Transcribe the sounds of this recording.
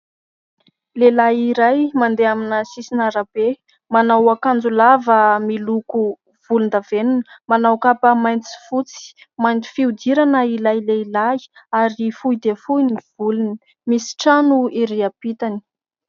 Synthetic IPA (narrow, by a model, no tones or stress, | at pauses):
lelaiɾajmand̪eaminəsisinaɾab̥e | manawakand͡zulavəmiluku | v̥ulund̪avenunmanawkapəmajnt͡si̥fut͡si̥ | majnt͡s̪i̥fiud̪iɾanəilajleilajaɾifujd̪efuniv̥uluni | misi̥ʈ͡ʂanuiɾiapit̪ani̥